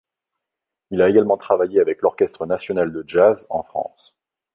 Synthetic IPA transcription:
ilaeɡalmɑ̃t̪χavajeavɛklɔʁkʲɛst̪χənasjɔnald̪əʒazɑ̰̃fχɑ̰̃s

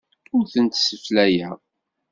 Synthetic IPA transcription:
ʊɾθənt̪səflæjæ

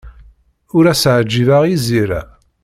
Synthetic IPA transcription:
ʊɾæsʕd͡ʒːivaʁiziɾæ̰

